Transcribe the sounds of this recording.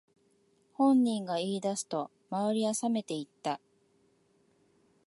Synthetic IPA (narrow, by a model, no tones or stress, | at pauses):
hõ̞ɲːĩŋɡaiːd̪asɨ̥t̪o̞ | maβaɾʲiasame̞t̪e̞it̪ːa